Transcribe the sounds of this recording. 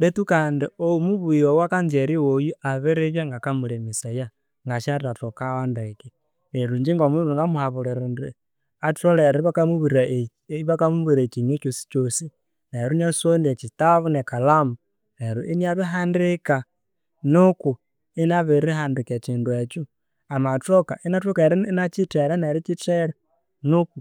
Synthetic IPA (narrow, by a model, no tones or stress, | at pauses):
detukandioumuβuiowakaɲd͡ʒeɾiwojuʔaβeɾeβjaŋɡakamulemisaja | ŋɡaʃaɾɾatokawandaki | neɾuɲd͡ʒiŋɡomuɾuŋɡamuhaβuɾeɾundi | atoleɾβakamuβuɾa | βakamuβiɾat͡ʃiɲet͡ʃosi̥t͡ʃosi | naeɾuɲasoniet͡ʃitaβunekalamu | neɾuʔiniaβiɦandika | nuku | inaβiɾihandiket͡ʃiːnduet͡ʃu | amatoka̰ʔinatokaeɾinat͡ʃiteɾanaɾit͡ʃiteɾa | nuku